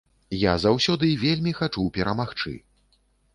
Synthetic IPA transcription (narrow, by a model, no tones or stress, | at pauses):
jazawsʲɔd̪ɨvʲelʲmʲixat͡ʂupʲɛɾɐmaxt͡ʂɨ̰